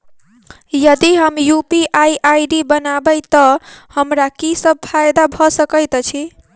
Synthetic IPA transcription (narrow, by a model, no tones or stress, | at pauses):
jʌd̪iɦəmjupiʔajʔajɖibənabəjt̪ʌhəmɾakisʌb̚pʰajd̪abʱʌsəkəjt̪t͡ʃʰi